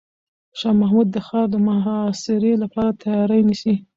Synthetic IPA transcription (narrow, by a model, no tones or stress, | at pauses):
ʃɑmahmud̪ːəxɑɾd̪əmaɦɑsɪɾelapɑɾat̪ʰajɑɾajnisi